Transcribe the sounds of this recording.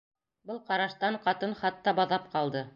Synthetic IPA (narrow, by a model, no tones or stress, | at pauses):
bɤlˠqɑɾɑʃt̪ɑɴqɑt̪ɤnχɑt̪ːɑbɑðɑp̚qɑlˠd̪ɤ